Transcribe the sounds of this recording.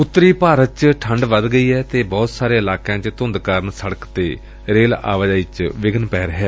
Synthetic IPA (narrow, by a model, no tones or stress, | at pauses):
ʊt̪ːɾiːpaːɾət̪̚t͡ʃʈʰəɳɖʋəd̪ɡəiːɛːt̪eːbɔːt̪saːɾeːɪlaːkãːt͡ʃt̪ʊ̃nd̪kəɾənsəɽəkt̪eː | ɾeːla̰ːʋəd͡ʒaːiːt͡ʃʋɪɡənpɛːɾəɦɛː